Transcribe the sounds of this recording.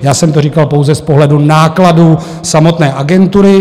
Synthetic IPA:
jaːsɛmt̪oɾiːkalpo̞wzɛspoɦlɛdunaːkladuː | samo̞t̪nɛːʔaɡɛnt̪uɾɪ

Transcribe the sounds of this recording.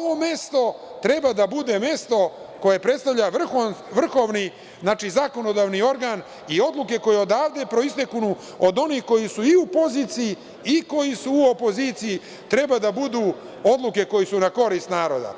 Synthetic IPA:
oʋome̞st̪o̞t̪ɾebad̪abud̪e̞me̞st̪o̞ | ko̞je̞pɾet̪st̪aʋʎaʋr̩xonʋr̩xo̞ːʋni | znaːt͡ʃizako̞no̞d̪aːʋnio̞ɾɡaːn | io̞d̪luke̞ko̞jeo̞d̪aːʋd̪e̞pɾo̞ist̪ekunu | od̪o̞nihko̞jisuiupo̞ziːt̪siji | iko̞jisuuopo̞zit̪siji | t̪ɾe̞bad̪abud̪uː | o̞d̪lˠuke̞ko̞jisunako̞ɾist̪naːɾo̞d̪a̰

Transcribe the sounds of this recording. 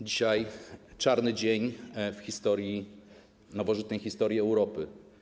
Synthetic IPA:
d͡ʑiɕajt͡ʂaɾnɘd͡ʑeɲfxʲist̪ɔɾji | nɔvɔʐɘt̪nɛjxʲist̪ɔɾʲjɛɛwɾɔpɘ

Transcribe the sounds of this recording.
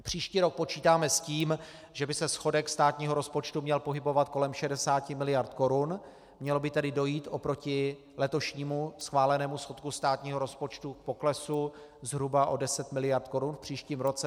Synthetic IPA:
pr̝̥iːʃciːɾo̞k̚po̞t͡ʃiːt̪aːmɛsciːm | ʒɛbɪsɛsxo̞dɛkst̪aːt̪ɲiːɦo̞ɾo̞spo̞t͡ʃt̪umɲɛlpo̞ɦɪbo̞vat̪̚ko̞lɛmʃɛdɛsaːcɪmɪlɪjaɾt̪ko̞ɾun | mɲɛlo̞bɪt̪ɛdɪdo̞jiːt̪ʔopɾo̞cɪ | lɛt̪o̞ʃɲiːmusxvaːlɛnɛːmusxo̞t̪̚kust̪aːt̪ɲiːɦoɾo̞spo̞t͡ʃt̪uk̚po̞klɛsu | zɦɾubaʔo̞dɛsɛt̪mɪlɪjaɾt̪ko̞ɾunfpr̥iːʃciːmɾo̞t͡sɛ

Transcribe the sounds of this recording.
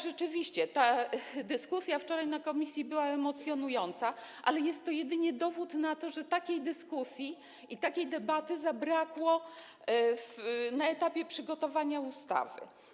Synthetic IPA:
ʐɛt͡ʂɘvʲiɕt͡ɕɛt̪ad̪ɘskusʲjaft͡ʂɔɾajnakɔmʲisʲjibɘwaɛmɔt̪sʲjɔnujɔnt̪saʔa̰lɛjɛst̪ːɔjɛd̪ɘɲɛd̪ɔvut̪nat̪ɔʐɛt̪akʲejd̪ɘskusʲji | ʔit̪akʲejd̪ɛbat̪ɘzabɾakwɔ | fnaɛt̪apʲjɛpʂɘɡɔt̪ɔvaɲaust̪a̰vɘ̰

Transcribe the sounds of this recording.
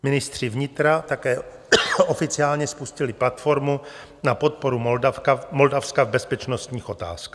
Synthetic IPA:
mɪnɪst̪r̝̥ɪvɲɪt̪ɾat̪akɛː | ofɪt͡sɪaːlɲɛspuscɪlɪplat̪fo̞ɾmu | napo̞t̪̚poɾumakamoldafskavbɛspɛt͡ʃnost̪ɲiːxot̪a̰ːskː

